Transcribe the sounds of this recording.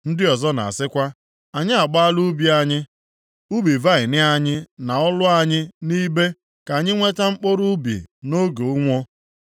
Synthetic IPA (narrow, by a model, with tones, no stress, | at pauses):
n̩˦dɪ˦ɔ˨zɔ˦na̰˨a̰˨sɪ˦kʷa˦ | a˨ɲɪ˦a˨ɡ͡ba˦lu˦bi˦a˦ɲɪ˦ | u˦bi˨va˦ɪ˨nɪ˦a˦ɲɪ˦na˨ɔ˦lʊ˦a˦ɲɪ˦ni˦be˦ | ka˨ɲɪ˦ŋʷe˦ta˦ŋ͡m̩˦k͡po˦ɾu˦bḭ˨no˦ɡo˨u˦ŋʷo˦